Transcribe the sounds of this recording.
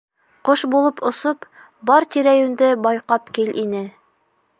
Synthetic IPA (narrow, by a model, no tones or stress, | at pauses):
qoʃbulˠɤpŏsop | bɒɾt̪iɾæjʉnd̪ɘbɒjqɑpkilʔinɘ